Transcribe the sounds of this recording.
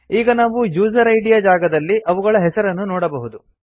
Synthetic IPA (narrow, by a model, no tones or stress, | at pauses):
iːɡɐnaːʋud͡ʒuːd͡ʒɐɾɐjɽijaːd͡ʒaːɡɐd̪ɐlːiʔɐʋuɡɐɭɐɦɛsɐɾɐnːunɔːɽɐbɐɦud̪u